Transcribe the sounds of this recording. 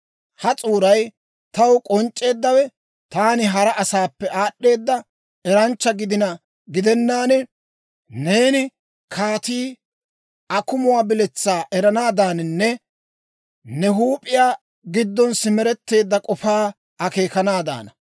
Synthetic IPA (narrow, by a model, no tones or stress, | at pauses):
hɐt͡sʼuːɾɐj | t̪ɐwkʼɔnt͡ʃʼːe̞ːd̪ːɐwɛ | t̪aːnɪɦɐɾɐʔɐsaːpːɛʔaːɗːe̞ːd̪ːɐ | ɛɾɐnt͡ʃːɐɡɪd̪ɪnɐ | ɡɪd̪ɛnːaːnɛ | ne̞ːnɪ | kʰaːt̪iː | ʔɐkʊmʊwaːbɪlɛt͡sːaːʔɛɾɐnaːd̪aːnɪnːɛ | nɛɦuːpʼɪjaː | ɡɪd̪ːɔnsɪmɛɾɛt̪ːe̞ːd̪ːɐkʼɔfaː | ɐke̞ːkɐnaːd̪a̰ːnɐ